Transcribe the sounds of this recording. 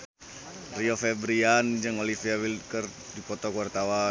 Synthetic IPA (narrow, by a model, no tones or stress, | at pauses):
riofɛbɾiand͡ʒəŋolifiawilkər | dipɔt̪ɔkuart̪awa